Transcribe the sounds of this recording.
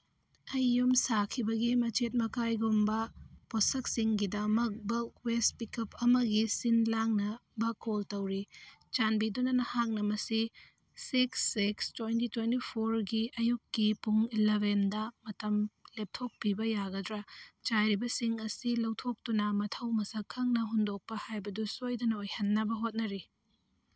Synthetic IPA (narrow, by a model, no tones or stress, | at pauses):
ɐjːumsakʰibɐɡimɐt͡ʃet̬̚mɐkajɡumbɐposɐksiŋɡidɐmɐk̚bɐlwespikɐp̚ɐmɐɡisinlaŋnɐbɐkoltɐwɾit͡ʃanbidonɐnɐhak̚nɐmɐsi | siksːikstwejntitwentipʰoɾɡiʔɐjukːipuŋilebendɐmɐtɐmlep̚tʰok̚pibɐjaɡɐdɾɐt͡ʃajɾibɐsiŋɐsilɐwtʰok̚tunɐmɐtʰɐwmɐsɐkʰːɐŋnɐɦundok̚pɐhajbɐdusojdɐnɐojhɐnːɐbɐɦot̚nɐɾi